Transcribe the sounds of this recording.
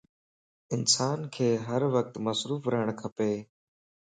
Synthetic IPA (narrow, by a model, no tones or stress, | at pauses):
ɪnsaːnkʰeːɦəɾʋək̚t̪məsɾuːfɾəɦəɽ̃kʰəpeː